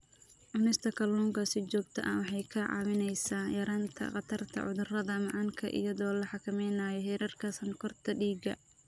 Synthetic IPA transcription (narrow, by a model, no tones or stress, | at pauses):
ʔʊnɛst̪ʰɐkʰɐluːŋkʰɐsɪt͡ʃɔːɡ̚t̪ʰɐ̰ʔɐwɑħɑjkʰɐʕɑ̰wɪnɛjsaːjɐɾaːnt̪ʰɐ̰χɑt̪ʰɐrt̪ʰɐ̰ʕʊ̰ðʊrɐðɐmɑʕɑŋkʰɐ̰ʔɪ̰jɐðɔːlɐħɑkʰɐmɛjnaːjɔɦɛːɾɐrkʰɐsɐŋkʰɔrt̪ʰɐɖiːɡɐ̰